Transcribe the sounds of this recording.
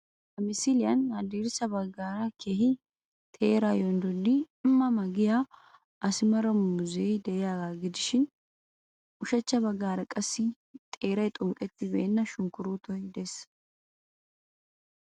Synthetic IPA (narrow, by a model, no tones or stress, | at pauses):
hɐmɪsilɪjɐnɐd̪iːɾsɐbɐɡːaːɾɐkʰeːɦɪ | t̪ʰe̞ːɾajɔnd̪ʊd̪ɪ | ɪmːɐmɐɡɪja | ʔɐsɪmɐɾɐmʊzejd̪ɛʔɪjaːɡaːɡɪd̪ɪʃɪn | ʔʊʃɐt͡ʃːɐbɐɡːaːɾɐkʼɐsːɪ | t̪ʼe̞ːɾɐjt̪ʼʊŋkʼɛt̪ːɪbḛːnːɐʃʊŋkʊɾuːt̪ɔjd̪ɛs